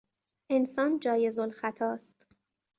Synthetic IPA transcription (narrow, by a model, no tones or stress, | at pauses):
ʔensɒːnd͡ʒɒːje̞zolxæt̪ʰɒːst̪